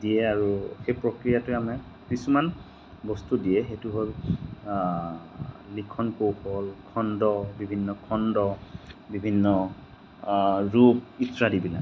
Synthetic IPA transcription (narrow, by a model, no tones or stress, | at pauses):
dijɛaɹuxejpɹokɹijatʊamɛ | kisuman | bɔstudijɛxetuɦol | likʰɔnkowholkʰɔndɔbibʱinːɔkʰɔndɔbibʱinːɔ | ɹup̚itɹadibila̰